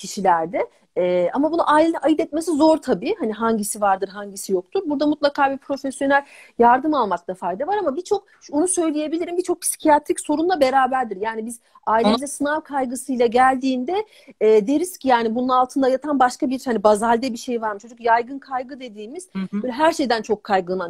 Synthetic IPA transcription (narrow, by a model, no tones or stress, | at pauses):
cʰiʃilʲæɾd̪ɛ | ɛːamabunuʔaːilʲeniajɯd̪ɛt̪mesizo̞ɾt̪ʰabiːhaniɦaɲɟisivaɾd̪ɯɾɦaɲɟisijo̞k̚t̪ʰuɾbuɾd̪amut̪lˠakʰaːbipʰɾo̞fesjo̞nælʲ | jaɾd̪ɯmalˠmak̚d̪afajd̪avaɾamabit͡ʃʰo̞k̚ | ʃonusø̞jlʲije̞bilʲiɾimbit͡ʃʰo̞k̚pʰsi̥cʰijat̪ʰɾicso̞ɾunlˠabe̞ɾaːbæɾd̪iɾjaːnibiz | aːilʲelʲɛsɯnaɾkʰajɡɯsɯjlˠaɟælʲd̪iːnd̪ɛː | d̪eɾiscʰijaːnibununalˠt̪ʰɯnd̪ajat̪ʰanbaʃkabiɾhanibazalʲd̪ɛbiʃe̞jvaɾmɯt͡ʃʰo̞d͡ʒukjajɡɯnkʰajɡɯd̪e̞d̪iːmiz̥bbøjlʲɛɦæɾʃe̞jd̪ænt͡ʃʰo̞kʰːajɡɯlˠman